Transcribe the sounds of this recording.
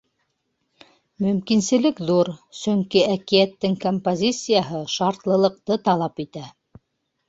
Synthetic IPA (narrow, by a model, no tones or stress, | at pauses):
mɵ̆mkinsɘ̆lɘkðuɾsɵŋkiækijæt̪ːɘŋkompozʲit̪sɨjaɦɤʃɑɾt̪lˠɤ̆lˠɤ̆q̚t̪ɤt̪ɑlˠɑpit̪æ